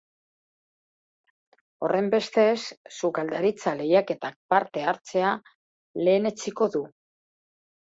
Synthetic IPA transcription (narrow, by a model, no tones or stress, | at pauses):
o̞rʔe̞mbe̞st̪e̞sːukald̪aɾit͡sale̞jake̞t̪ak̚paɾt̪e̞aɾt͡se̞a | le̞ːne̞t͡siko̞ðu